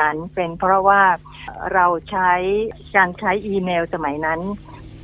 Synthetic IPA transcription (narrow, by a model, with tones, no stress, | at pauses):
a˧npe˧npʰɾɔ˦˥waː˥˩ | ɾa˧wt͡ɕʰa˦˥j | kaː˧nt͡ɕʰa˦˥jʔiː˧meː˧wsa˧ma˩˦jna˦˥n